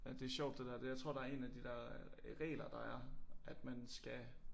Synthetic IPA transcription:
d̥e̝æɕɒʊd̥̚e̝d̥ɛɐd̥e̝jɑ̈ɪt͡sʰʁo̝ɐ̰d̥ɑ̈æɐe̝næd̥id̥ɛ̰ɐ̰ʁɛ̰ːlɐd̥ɑ̈æɐʔæd̥mænsɡ̥æ

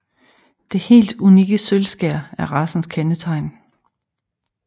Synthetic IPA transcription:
d̥e̝he̝̰ːld̥uniɡ̥əsølsɡ̥æɐ̰æɐʁɑ̈sn̩skʰenət͡sʰɑ̈ɪn

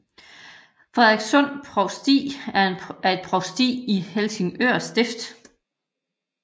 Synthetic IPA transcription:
fʁeeɡ̥sɔn̰pʰʁɒʊsd̥ḭːææɐe̝d̥̚pʰʁɒʊsd̥ḭːihelse̝ŋøɐ̰sd̥e̝fd̥

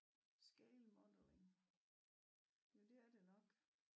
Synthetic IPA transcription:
sɡ̥eɪlmɒd̥əleŋ | jod̥e̝æɐd̥e̝nɒ̽ɡ̥

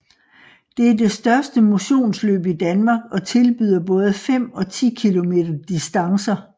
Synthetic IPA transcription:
d̥e̝æɐd̥e̝sd̥ɶɐsd̥əmo̝ɕo̝̰ːnslø̰ːb̥id̥ænmɑ̈ːɡ̥ɒ̽t͡sʰe̝lb̥y̰ðˠɐb̥ɔ̽ːð̞ˠfem̰ɒ̽t͡sʰḭːkʰilo̝me̝̰ːd̥ɐd̥isd̥ɑ̈ŋsɐ

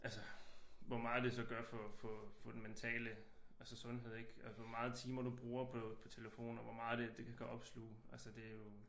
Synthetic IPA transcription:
ʔælsəʋɒmɑ̈ːð̩ˠd̥e̝sɒ̽ɡ̥ɶɐfɒ̽fɒfɒ̽d̥enment͡sʰɛ̰ːlə | ælsəsɔ̽nɦe̝ð̞̰ˠeɡ̥æsʋɒmɑ̈ːð̩ˠt͡sʰiːmɐd̥ub̥ʁuːɐpʰɒ̽pʰɒ̽t͡sʰe̝ləfo̝̰ːnɒʋɒmɑ̈ːð̩ˠd̥e̝d̥e̝kʰækʰæʔɒ̽b̥slṵːælsəd̥e̝æjo̝

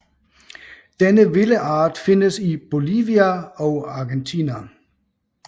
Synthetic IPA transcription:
d̥enəʋe̝ləʔɑ̈ːd̥fe̝nəsib̥o̝liːʋiæɒ̽ʊɑ̈ːɡ̥ent͡sʰinæ

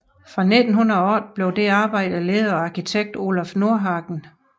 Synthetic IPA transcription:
fʁɑ̈ne̝d̥n̩ɦunɐɒ̰d̥̚b̥le̝ʊd̥e̝ɑ̈ːb̥ɑ̈ɪ̰d̥əle̝ːð̞ˠɐɒɑ̈kʰit͡sʰeɡ̥̚d̥o̝læfno̝ɐɦɑ̈ːɡ̥n̩

